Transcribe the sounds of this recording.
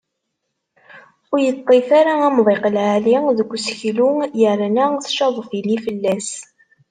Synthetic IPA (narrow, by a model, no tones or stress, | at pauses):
ʊɾjət̪ˤːefaɾaæmðˤeqəlʕaliðəɡʷːsçlujəɾænæθʃɑðˤfilifəlːæs